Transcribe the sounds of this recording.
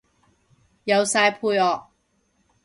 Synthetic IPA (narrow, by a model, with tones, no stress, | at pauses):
jɐ˨˧wsaː˧jpʰuː˧jɔː˨k̚